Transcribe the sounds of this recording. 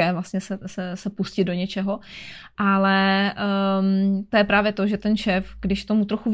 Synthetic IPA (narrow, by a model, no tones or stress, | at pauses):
ɛːvlastɲɛsɛsɛsɛpuscɪd̪do̞ɲɛt͡ʃɛɦo̞ | ʔalɛ | t̪ojɛpɾaːvjɛt̪o̞ʒɛt̪ɛnʃɛːfɡdɪʃt̪o̞mut̪ɾoxuv